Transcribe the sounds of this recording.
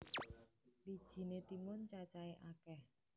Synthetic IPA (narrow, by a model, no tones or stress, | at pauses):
wid̥ʒ̥i̤net̪imʊnt͡ʃat͡ʃaeʔakɛh